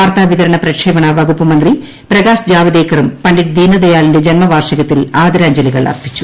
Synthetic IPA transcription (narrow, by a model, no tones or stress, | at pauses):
aːrt̪aːʋit̪ɐɾɐɳɐprɐkʂeːʋɐɳɐʋɐɡupːɐmɐnd̪ri | pɾɐɣaːsd͡ʑaːʋid̪eːkːɐɾumpɐɳɖiʈ̚d̪iːnɐd̪ɐjaːlinde̞d͡ʑɐnmɐʋaːrʂɐɣɐt̪ːilaːd̪ɾaːɲd͡ʑɐliɣɐɭɐ̰rpʰi̥t͡ɕːu